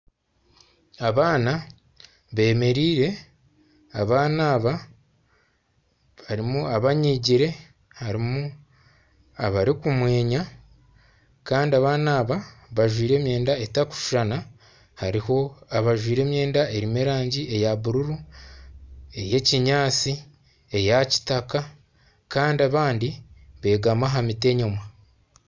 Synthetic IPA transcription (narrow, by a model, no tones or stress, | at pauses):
aβaːna | βe̞ːme̞ɾiːɾe̞ | aβaːnaːβa | βaɾimuaβaɲiɟiɾe̞ | haɾimu | aβaɾikumwe̞ːɲa | kaːndiaβaːnaːβaβaʒwiːɾe̞ːmje̞ːndaetaku̥ʃuʒ̥ana | haɾiho̞aβaʒwiːɾe̞ːmje̞ːndae̞ɾimeɾaːɲɟie̞jaβuɾuɾu | e̞je̞ciɲaːt͡si | e̞jaci̥taka | kaːndiaβaːndiβe̞ɡamaɦamite̞ɲomwa